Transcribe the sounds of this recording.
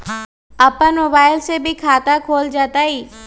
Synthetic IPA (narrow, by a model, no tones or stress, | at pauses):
ɐpənmoːbaːɪlsebʱikʰaːt̪akʰoːld͡ʒaːt̪aːiː